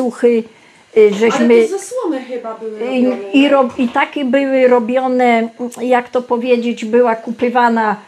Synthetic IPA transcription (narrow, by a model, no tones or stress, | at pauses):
uxɘ | ʐɛɕmɘzaswɔnɛxɪbabwiɾɔit̪akʲɛbɘwɘɾɔbʲjɔnɛjakt̪ɔpɔvʲjed͡ʑed͡ʑbɘwakupɘvana